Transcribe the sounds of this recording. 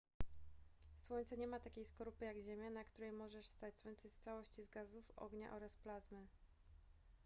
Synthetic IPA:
swɔɲt̪sɛɲɛmat̪akʲejskɔɾupɘjaɡʑemʲjanakt̪uɾɛjmɔʐɛʂst̪at͡ɕswɔɲʲt̪sɛst̪sawɔɕt͡ɕizɡazufɔ̰ɡɲa̰ʔɔɾasplazmɘ

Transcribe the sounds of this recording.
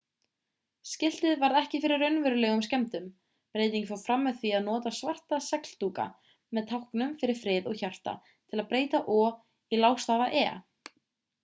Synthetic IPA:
scɪl̥t̪ɪðvaɾðɛhcɪfɪɾɪɾːœɥnvɛɾʏlɛːɣʏmscɛmt̪ʏm | pɾeːjt̪iŋcfawfɾamːɛðθviaðnɔːt̪asvar̥t̪asɛkl̥t̪uːka̰ | mɛðt̪ʰawhknʏmfɪɾɪɾ̥fɾɪːðɔɣçar̥t̪a̰ | t̪ʰɪlaðpɾeːjt̪aʔɔ | ilawst̪aːvaʔɛː

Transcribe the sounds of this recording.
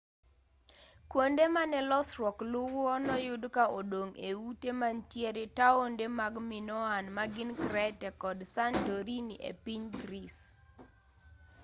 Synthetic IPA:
kwondemanɛlɔsrwɔklʊwɔnɔjʊdkaodoŋeutemantjeɾetaondemaɡmɪnɔanmaɡɪnkɾɛtɛkɔdsantoɾiniʔḛpiɲɡɾis

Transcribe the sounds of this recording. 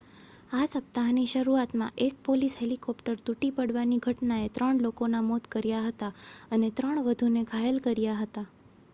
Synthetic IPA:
asəp̚t̪aɦniʃəɾuat̪mã̰ʔek̚polisɦelikɔpʈəɾt̪uʈipəɽʋaniɡʱəʈnaet̪ɾəɳlokonamot̪kəɾjaɦət̪aənet̪ɾəɳʋəd̪ʱunekʰaelkəɾjaɦət̪a

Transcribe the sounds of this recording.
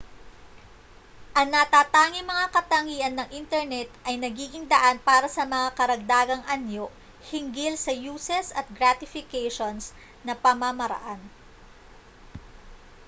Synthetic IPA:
ʔɐŋnɐt̪aːt̪aːŋɪŋmɐŋakɐt̪ɐŋiːʔɐnːɐŋʔɪnt̪ɛɹnɛt̪̚ʔɐjnɐɡiːɡɪŋd̪ɐʔanpaːɾɐsɐmɐŋakɐɾɐɡ̚d̪aːɡɐŋʔanjo̞ | hɪŋɡɪlsɐjuːsɛsɐt̪̚ɡɾat̪ɪfɪkejʃons | nɐpɐmamɐɾɐ̰ʔan

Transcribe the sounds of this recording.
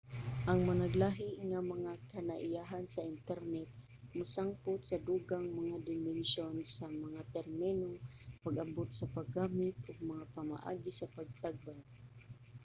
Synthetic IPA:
ʔaŋmanaɡlaːɦiʔŋamaŋakanaʔɪjaɦansaɪnt̪ɛɾnɛt̪̚ | masaŋpʊt̪sad̪uːɡaŋmaŋad̪ɪmɛnʃonsamaŋat̪ɛɾmɛnoŋpaɡambot̪̚sapaɡaːmɪt̪̚ʔʊɡ̚maŋapama̰ʔa̰ːɡisapaɡ̚t̪aɡ̚baŋ

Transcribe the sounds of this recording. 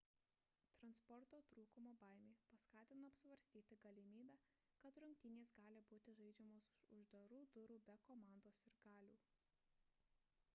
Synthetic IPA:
t̪ɾɐnspɔɾt̪oːt̪ɾuːkʊmoːbɑˑɪmʲeːpɐskɑːt̪ʲɪnoɐpsʲʋɐɾʲsʲt̪ʲiːt̪ʲɪɡɐlʲɪmʲiːbʲæː | kɐt̪ɾʊŋʲkʲt̪ʲɪnʲeːsɡɑːlʲɪbuːt̪ʲɪʒɐɪd͡ʒʲɛmoːsʊʒd̪ɐɾuːd̪ʊɾuːbʲɛkoːmɑːˑnd̪oːsɪɾɡɑːlʲuː

